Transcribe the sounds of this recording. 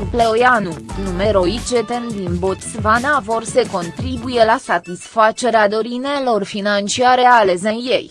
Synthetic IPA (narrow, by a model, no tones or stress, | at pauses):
pleojanunume̞ɾo̞it͡ʃet̪end̪inbot̪svanavo̞rse̞ko̞nt̪ɾibuje̞lasat̪isfat͡ʃe̞ɾead̪o̞ɾinelo̞rfinant͡ʃiaɾe̞ale̞zejje̞j